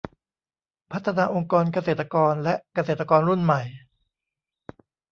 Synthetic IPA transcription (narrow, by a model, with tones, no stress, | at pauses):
pʰa˦˥t̪ʰːa˧naː˧ʔo˧ŋkɔː˧nka˧seː˨˩t̪ːa˧kɔː˧nlɛ˦˥ʔka˧seː˨˩t̪ːa˧kɔː˧nɾu˥˩nma˨˩j